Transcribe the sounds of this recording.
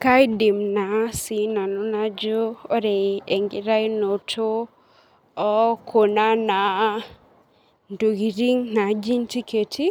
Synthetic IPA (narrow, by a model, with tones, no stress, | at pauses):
ka˦jdi˨mna˨si˨na˨no˦na˦d͡ʒo˦o˦ɾe˨e˨ŋɡi˨ɾa˦jno˨tʰo˦ | ɔ˦kʰo˨na˦na˨ | ndo˨ɡi˨ɾi˦ŋna˨d͡ʒi˦nti˦ke˨tʰi˦